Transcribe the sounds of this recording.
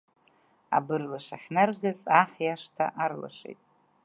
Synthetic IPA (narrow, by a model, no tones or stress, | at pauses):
a̰bɨrlaʂaħʲnarɡazaħjaʂtʰa̰ʔarla̰ʂḛjtʼ